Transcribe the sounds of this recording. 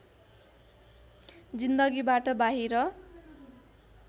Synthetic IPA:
d͡zind̪ʌɡibaʈʌbaɦiɾʌ

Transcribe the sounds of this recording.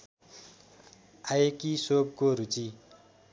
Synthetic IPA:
ajekisob̚koɾut͡si

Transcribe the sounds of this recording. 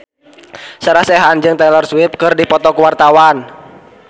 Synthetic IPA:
səɾahsɛɦand͡ʒɨŋt̪ɛlɔrswip̚kɨrdipɔt̪ɔkuwart̪awan

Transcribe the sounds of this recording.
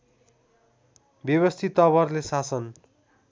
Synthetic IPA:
bjʌβʌst̪ʰit̪ːʌβʌrlesasʌn

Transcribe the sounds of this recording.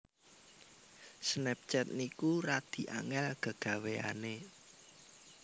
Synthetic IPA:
snɛp̚t͡ʃɛt̪̚nikuɾad̪̥i̤ʔa̰ŋɛlɡ̥a̤ɡ̥ä̤wea̰ne

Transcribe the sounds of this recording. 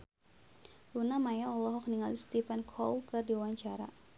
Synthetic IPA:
lunamajaɔlɔɦɔk̚niŋalist̪ifɛnkʰɔlkɨrdiuwaɲt͡ʃaɾa

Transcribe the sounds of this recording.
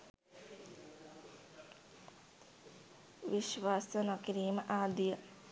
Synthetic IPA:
ʋiʃʋaːsənakiɾiːməʔaːd̪ijə

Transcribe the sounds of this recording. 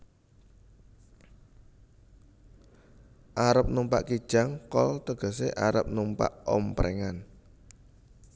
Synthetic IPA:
ʔaɾəp̚numpa̰ʔkid̥ʒ̥a̤ŋkɔlt̪əɡ̥ɔ̤s̬eʔaɾə̰p̚numpa̰ʔɔmpɾɛŋan

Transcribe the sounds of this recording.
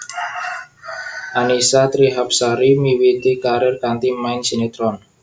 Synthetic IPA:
ʔanisat̪ɾiɦap̚saɾimiwit̪ikaɾɛrkant̪imaɪnsinet̪ɾɔn

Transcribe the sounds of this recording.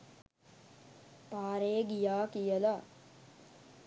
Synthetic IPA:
paːɾeɡijaːkijəla

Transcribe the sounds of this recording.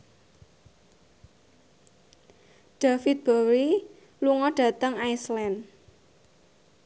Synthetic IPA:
ɖ̥afit̪̚b̥əwi | luŋɔɖ̥ä̤t̪əŋajslɛn

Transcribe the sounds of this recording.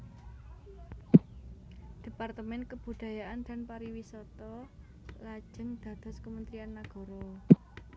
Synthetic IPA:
d̪̥e̤part̪əmɛnkəb̥ṳd̪̥ä̤jaʔand̪̥a̤npaɾiwisɔt̪ɔ | lḁʒ̥ə̤ŋd̪̥ä̤d̪̥ɔ̤skəmənt̪ɾianːaɡ̥ɔ̤ɾɔ

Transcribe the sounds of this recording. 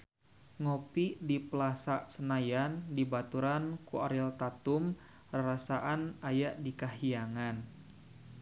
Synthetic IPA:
ŋopiʔdipəlasaʔsənajandibat̪uɾankuaɾilt̪at̪um | raɾasaʔanajaʔdikaɦiaŋan

